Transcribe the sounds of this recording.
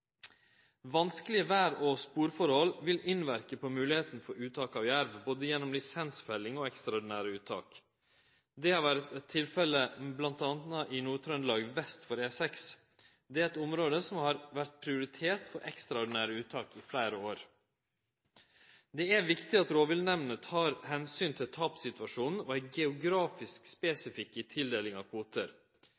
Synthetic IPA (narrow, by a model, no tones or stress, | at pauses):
ʋɑnskəlɪəʋæːɾoːspuːɾfɔɾhɔlʋɪlɪnʋæɾkəpʰɔmʉːlɪheːt̪n̩fɔɾʉːt̪ʰɑːkɑːʋjæɾʋboːd̪əjɛnːɔmlɪsɛnsfœlɪŋɔɛkst̪ɾɑɔɖɪnæːɾəʉːt̪ʰːɑ̰ːk | d̪ɛhɑɾʋæɾt̪ɛt̪ʰːɪlfɛləblɑnt̪ɑnnəʔɪnuːɾt̪ʰɾœnlɑːɡʋɛst̪fɔɾeːsɛks | d̪ɛæɾɛt̪ʊmɾoːd̪əsɔmhɑɾʋæɾʈ̪̚pʰɾɪʊɾɪt̪ʰeːt̪fɔɾʔɛkst̪ɾɑʊɖɪnæːɾəʉːt̪ʰːɑːkɪflæːɾəoːɾ | d̪ɛæʋɪkt̪ɪɑt̪ɾoːʋɪlnɛʋnət̪ʰɑːɾhɛnsyːnt̪ʰɪlt̪ʰɑːpsɪt̪ʉʋɑʂuːnn̩ɔæɪɡɛʊɡɾɑːfɪskspeːsɪfɪkːət̪ʰɪld̪eːlɪŋɑʋkʰʋuːt̪əɾ